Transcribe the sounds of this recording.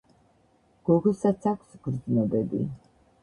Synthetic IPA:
ɡ̥ɔɡɔsat̪sʰakʷʰsɡɾd̪znɔbɛbḭ

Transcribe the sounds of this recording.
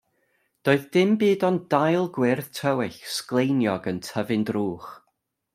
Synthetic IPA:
d̥oːɨðd̥ɪmbiːdɔndajlˠɡwɪrðtʰəwɪɬsklˠejnjɔɡəntʰəvɨndruːχ

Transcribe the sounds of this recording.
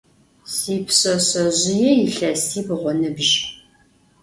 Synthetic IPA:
siːpʰɕɐɕɐʑɪjɛjɪɬɐstʰiːbʁʷɔnɨbʒ

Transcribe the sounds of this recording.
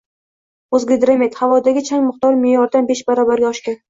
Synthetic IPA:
ozɡʲed̪ɾamʲet̪havɒd̪aɡʲɪt͡ʃʰaŋmʊχt̪ɒɾmɪjɒɾd̪anbeʃbaɾɒbaɾɡʲaɒʃkʲan

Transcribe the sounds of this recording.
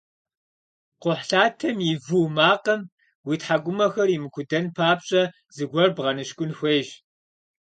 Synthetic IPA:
qʷʊħɬaːtʰɐmjivuːmaːqɐm | witħaɡʷʊmɐxɐrimɨkʷʰʊdɐnpʰaːpɕʼɐ | zɨɡʷɐrbʁɐnɨɕkʷʼʊnxʷeːʒ

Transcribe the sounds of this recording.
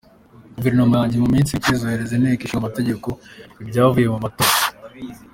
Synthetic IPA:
ɡuveɾinomojaːɲɟemuminsiicizoheɾezeneːkiʃiamate̞ɟe̞ko̞ibɟaːβavuje̞mumatoa

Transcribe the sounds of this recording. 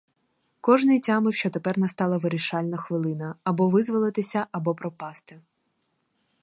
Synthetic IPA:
kɔʒnɪjtʲɑmɪwʃt͡ʃɔt̪epɛrnɐst̪ɑlˠɐʋɪɾiʃɑlʲnɐxʋɪlˠɪnɐːbɔʋɪzʋɔlˠɪt̪ɪsʲɐʔɐbɔpɾɔpɑst̪ɪ

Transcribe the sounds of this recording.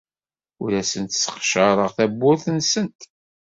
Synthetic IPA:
ʊɾæsənt̪sə̥qʃəɾˤəʁθæbːʊɾθənsənt̪

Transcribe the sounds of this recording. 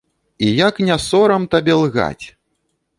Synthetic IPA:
ijaknʲasɔɾɐmt̪abʲɛlˠɣa̰t͡sʲ

